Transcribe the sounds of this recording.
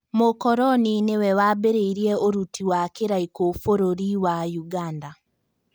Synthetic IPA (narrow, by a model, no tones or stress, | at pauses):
mokɔɾɔninewɛwabeɾeiɾiɛoɾutiwakeɾaikofoɾoɾiwajuɡanda